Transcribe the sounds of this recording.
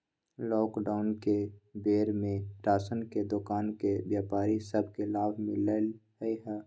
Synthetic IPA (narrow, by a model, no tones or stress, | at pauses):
lɔːkɖaːʊnkebeːɾmẽʈaːsənked̪ʊkaːnkebjaːpaːɾisəbʱkelaːʋmɪ̃ləlɦiɦɛː